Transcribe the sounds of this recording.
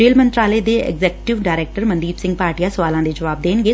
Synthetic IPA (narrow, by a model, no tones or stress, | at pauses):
eːlmə̃nt̪ɾaːleːd̪eɛ̰ɡzɛːkʈɪʋɖaːɾeːk̚ʈəɾmənd̪iːbsɪ̃ŋɡ̚paːɾʈijasəʋaːlãːd̪ed͡ʒəʋaːb̚d̪eːnɡeː